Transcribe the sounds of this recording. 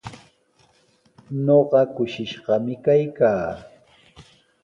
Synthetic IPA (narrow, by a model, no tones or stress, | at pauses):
ɲoɢɑkʊʃɪʃɢɑmɪkajkaː